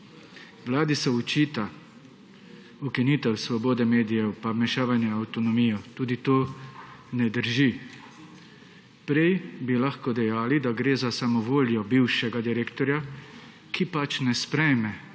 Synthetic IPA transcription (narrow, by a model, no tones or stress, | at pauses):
ʋlaːd̪isɛut͡ʃiːt̪a | ukiniːt̪ɛwsʋɔboːd̪ɛmeːd̪ijɛwpamɛʃaːʋanjɛawt̪ɔnɔmiːjɔt̪uːd̪it̪oː | nɛd̪əɾʒi | pɾɛjbilaxkɔd̪ɛjaːlid̪aɡɾeːzasamɔʋoːljɔbiwʃɛɡad̪iɾeːkt̪ɔɾja | kʰipat͡ʃnɛspɾɛjmɛ